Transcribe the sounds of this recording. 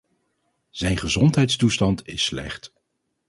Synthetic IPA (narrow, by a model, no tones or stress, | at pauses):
z̥ɛjnχəzɔntɦɛjtstustɑntɪslɛ̰χt